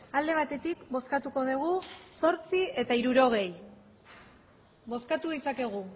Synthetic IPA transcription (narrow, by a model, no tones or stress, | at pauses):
ald̪e̞β̞at̪e̞t̪ikbo̞skat̪uko̞ðeɣ̞uso̞ɾt͡sie̞t̪aiɾuɾo̞ɣ̞e̞j | βo̞skat̪uð̞isake̞ɣ̞u